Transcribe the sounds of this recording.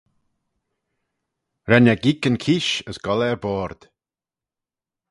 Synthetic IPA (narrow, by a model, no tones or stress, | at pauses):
ɾɛnaɡikənkʰiːʃəsɡ̥ɔlɛɹbɔːɾd̪̥